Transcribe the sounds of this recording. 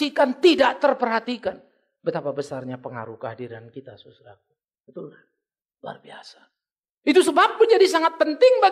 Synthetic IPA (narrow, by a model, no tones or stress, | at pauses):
ikant̪idaʔt̪ərpərɦat̪ikan | bət̪apabəsarɲapəŋa̰ɾuhkəɦadiɾankit̪asusɾak̚u | b̥ət̪ʊlka | lua̰rbia̰sḁ | it̪usəbap̚ːʊnd͡ʒadisaŋat̪̚pənt̪ɪŋba